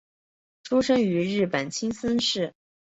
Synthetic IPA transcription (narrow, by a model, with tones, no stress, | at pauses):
ʈ͡ʂʰu˥ʂɤ˥ŋy˧˥ɻɻ̩˥˩pə˨˩nt͡ɕʰi˥ŋsə˥nʂɻ̩˥˩